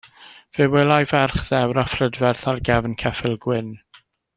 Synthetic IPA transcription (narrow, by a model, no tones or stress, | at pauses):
v̥ɨwɛlˠajvɛrχðɛwɾafrədvɛrθarɡɛvnkʰɛfɪlˠɡwɪn